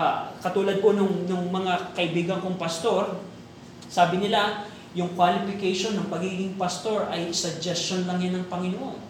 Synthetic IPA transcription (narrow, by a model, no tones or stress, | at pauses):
kɐt̪uːlɐd̪̚konʊŋnʊŋmɐŋakɐʔɪbiːɡɐŋkoŋpɐst̪o̞ɾ | saːbɪnɪla | jʊŋkwalɪpɪkejʃo̞nːɐŋpɐɡiːɡɪŋpɐst̪o̞ɹʔɐjsɐɡ̚d͡ʒɛstt͡ʃonlɐŋjanɐŋpɐŋɪnoʔo̞̰n